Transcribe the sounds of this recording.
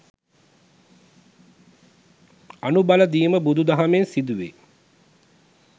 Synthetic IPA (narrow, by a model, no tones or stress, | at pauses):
anubaləd̪iəməbud̪ud̪aɦɐmensid̪uʋḛ